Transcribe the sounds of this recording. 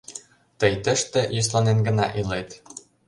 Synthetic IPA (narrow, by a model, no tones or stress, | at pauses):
t̪ɤ̆jt̪ɘ̆ʃt̪ɘ̆jus̬lˠɑnenɡɤ̆nɑ̰ʔilˠet̪